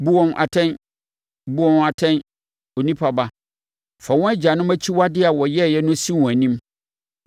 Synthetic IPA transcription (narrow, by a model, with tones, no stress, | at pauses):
bu˦wɔ̃˦nʔa̰˨tʰɛ̃˦n | bu˦wɔ̃˦na˨tʰɛ̃˦n | o˨nĩ˦pʰa˨ba˦ | fa˨wɔ̃˦æ˦d͡ʑa˨nʊ̃˦mæ˦t͡ɕʰi˦wa˦dɪ˦a˨wɔ˨jɛ˦˨jɛ˦nʊ̃˦sĩ˦wɔ̃˨æ˨nĩ˦m